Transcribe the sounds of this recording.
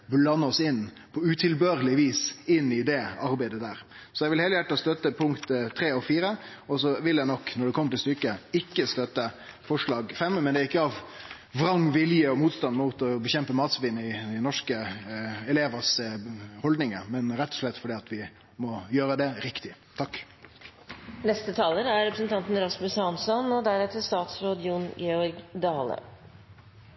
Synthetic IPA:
blɑnːəɔsɪnː | pʰɔʉt̪ʰɪlbøːɾəlɪʋiːsɪnːɪd̪ɛɑɾbæɪd̪əd̪æːɾsɔjɛʋɪlhɛːləjæʈːɔst̪œt̪ːəpʰʊŋkt̪t̪ʰːɾeːɔfiːɾə | ɔsɔʋɪljæɪnɔkːnɔɖɛkʰɔmːəʈ̪ɪlst̪ʏkːəɪkːəst̪œt̪ːə | fɔʂɭɑːɡfɛmmɛnd̪ɛːɾɪkːəɑʋ | ʋɾɑŋːʋɪljəɔmuːt̪st̪ɑnmuːt̪ɔbəçɛmpəmɑːt̪sʋɪnəɪd̪ɛnɔʂkəɛleːʋəshɔld̪nɪŋəmɛnɾɛt̪ːɔ̥ʂɭɛt̪ːfɔɖiːɑt̪ʋɪ | mɔjøːɾəd̪ɛɾɪkt̪ɪ | t̪ʰɑkː | nɛst̪ət̪ʰɑːləɾæɾɛpɾəsən̩t̪ʰɑnt̪n̩ɾɑsmʉshɑnsɔnɔd̪æɾɛt̪əst̪ɑːt̪sɾoːd̪jʊnɡɛɔɾɡd̪ɑːlə̰

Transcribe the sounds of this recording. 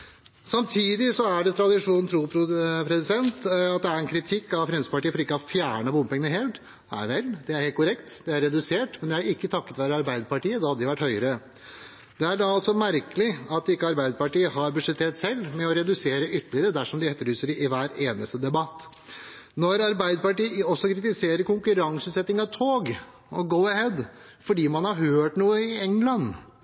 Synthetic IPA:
sɑmt̪ʰiːd̪ɪsɔæɖɛt̪ʰɾɑd̪ɪʂuːnn̩t̪ʰɾuːpʰpʰɾɛsɪsɛnt̪ɑt̪̚d̪ɛæɾɛnkʰɾɪt̪ʰɪkːɑʋfɾɛnsəpɑʈiːəfɔɾɪkːəhɑfjæːɳəbʊməpɛŋənəɦɛlt̪ | æ̰ɾʋɛld̪ɛæɾheːlt̪kʰʊɾɛkt̪d̪ɛæɾːɛd̪ʉseːʈmɛnd̪ɛæɾɪkːət̪ʰɑkːət̪ʋæːɾəɑɾbæɪd̪əpɑʈiːəd̪ɑhɑd̪əd̪ɪʋæʈːhœʏəɾə | d̪̥ɛæɖɑɑlsɔmæɾkəlɪɑt̪̚d̪ɪkːəɑɾbæɪd̪əpɑʈiːəhɑɾbʉʂɛt̪ʰːeːʈsɛlːmɛɔɾɛd̪ʉseːɾəʔʏt̪ːəlɪəɾəd̪æʂɔmd̪ɪɛt̪ːəɭyːsəɾʔɪʋæːɾeːnəst̪əd̪ɛbɑt̪ː | nɔɾɑɾbæɪd̪əpɑʈiːəɔsːɔkʰɾɪt̪ɪseːɾəɾkʊŋkʉɾɑŋsʉːt̪sɛt̪ːnɪŋɑʋt̪ʰoːɡ | ɔɡoʊəhɛd̪ | fɔɖiːmɑnhɑɾɦøːʈnuːəɪɛŋlɑn

